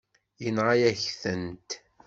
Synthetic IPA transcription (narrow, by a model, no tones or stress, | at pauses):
jənʁajæçθənt̪